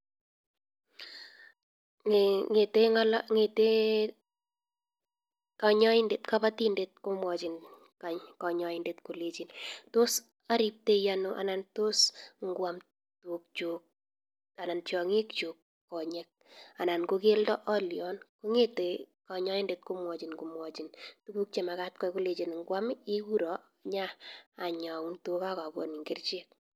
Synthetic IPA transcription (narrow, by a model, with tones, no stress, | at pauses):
ŋe˨te˦ŋa˦lŋe˨te˦ | ka˨ɲɔ˦ɪ˦nde˨t̪ka˦ba˦ti˦nde˨t̪̚ko˦mwɔ˨d͡ʒɪ˨n | a˨kɔ˨ɲɔ˨ɪ˦nde˦t̪ko˨le˦d͡ʒi˨nto˦s | a˦ɾi˦p̚te˦ja˦no˨ʔa̰˨na˨nto˦sŋɡwa˨m | tu˨k̚t͡ʃo˨k̚ | a˨na˨nt͡ʃjɔ˨ŋi˦kt͡ʃo˨kː | ɔ˨ɲɛ˦k̚a˨na˨nko˦ke˦ldɔ˦ʔɔ˦ljɔ˨nku˦ŋe˦te˨kɔ˨ɲɔ˦ji˦nde˨t̚ko˦mwɔ˨t͡ʃi˨nku˨mwɔ˨t͡ʃi˨ntubu˦k̚t͡ʃe˨ma˨ka˦t̚kɔ˦ko˦le˨t͡ʃi˨nŋɡwa˦mi˦ku˦ɾɔ˨ | ɲaː˦˨ɲa˨u˦nto˦ka˦ka˨bo̰˨ni˨ŋɡɪ˦rt͡ʃe˦k̚